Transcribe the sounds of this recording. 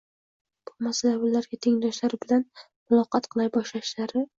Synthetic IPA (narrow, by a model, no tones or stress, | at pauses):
b̥ʊmasalaʊlaɾɡʲat̪ʰeŋd̪ɒʃlaɾbɪlan | mʊlˠɒqɑt̪qʰɨlˠajbɒʃlaʃlaɾɪ